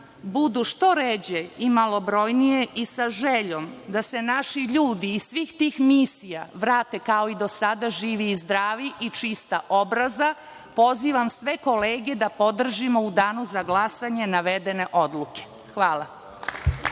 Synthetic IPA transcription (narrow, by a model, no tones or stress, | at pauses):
bud̪uʃt̪o̞ɾed͡ʑeimalˠo̞bɾo̞jnije̞ʔisaʒeʎo̞md̪ase̞naʃiʎuːd̪iːsʋiːxt̪iːxmisijaʋɾaːt̪e̞kao̞id̪o̞sad̪aʒiːʋiːzd̪ɾaːʋiʔit͡ʃist̪aʔo̞bɾaza | po̞ziʋamsʋe̞ko̞leːɡe̞d̪apo̞d̪r̩ʒimo̞ud̪aːnuzaɡlasaɲe̞naʋe̞d̪e̞ne̞ʔo̞d̪lˠuke̥ | xʋaːlˠa